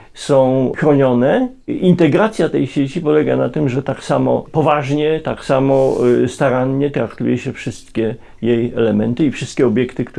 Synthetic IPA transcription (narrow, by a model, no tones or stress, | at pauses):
sɔ̃w̃xɾɔɲɔnɛ | int̪ɛɡɾat̪sʲjat̪ɛjɕet͡ɕipɔlɛɡa̰nat̪ɘmʐɛt̪aksamɔ̰pɔvaʐɲɛt̪aksamɔst̪aɾaɲɲɛt̪ɾakt̪ṵjɛɕɛfʂɘst̪kʲɛ | jejɛlɛmɛnt̪ɘifʂɘst̪kʲɛɔbʲjɛkt̪ɘkt̪